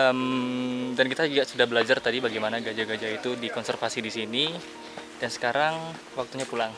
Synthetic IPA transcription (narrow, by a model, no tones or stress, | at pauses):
əm | dankit̪aɡaʔsudahbəlad͡ʒart̪adibaɡajmanaɡad͡ʒaɡad͡ʒait̪udikɔnsɛrfasidisini | d̥ansə̥kaɾaŋ | wak̚t̪uɲapulaŋ